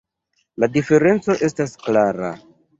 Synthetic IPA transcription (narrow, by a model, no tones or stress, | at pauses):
ladife̞ɾe̞nt͡so̞ʔe̞stasklaɾa̰